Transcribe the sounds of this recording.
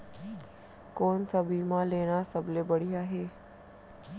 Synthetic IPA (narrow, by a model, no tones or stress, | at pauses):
koːnsəbʱimãːleːɽ̃asəblebəɽiaːɦeː